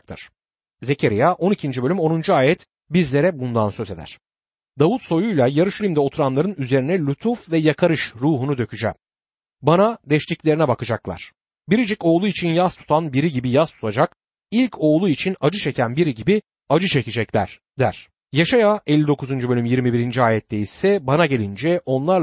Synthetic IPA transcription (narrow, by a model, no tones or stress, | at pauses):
kt̪ʰɯ̰ɾ̥ | ze̞cʰeɾijaʔo̞nicʰind͡ʒibø̞lʲymo̞nund͡ʒuaːjɛt̪ | bizlʲe̞ɾɛbund̪ansø̞ze̞d̪æ̰ɾ̥ | d̪avut̪so̞jujlˠajaɾɯʃylʲimd̪ɛo̞t̪ʰuɾanlˠaɾɯnyze̞ɾinɛlʲut̪ʰufvɛjakʰaɾɯʃɾuːɦunud̪ø̞cʰyd͡ʒɛ̰m | banad̪ɛʃt̪ʲiclʲe̞ɾinɛbakɯd͡ʒaklˠa̰ɾ̥ | biɾid͡ʒico̞ːlˠuit͡ʃʰinjaz̥t̪ʰu̥t̪ʰanbiɾiɟibijaz̥t̪ʰu̥t̪ʰad͡ʒak | ilʲcʰo̞ːlˠuit͡ʃʰinad͡ʒɯt͡ʃʰe̞cʰænbiɾiɟibi | ad͡ʒɯt͡ʃʰecid͡ʒɛclʲæ̰ɾ̥ | d̪æ̰ɾ̥ | jaʃajaɛlʲːid̪o̞kʰuzund͡ʒubø̞lʲymjiɾmibiɾind͡ʒiaːjɛt̪ʰːejisɛbanaɟe̞lʲind͡ʒɛʔo̞nlˠaɾˠ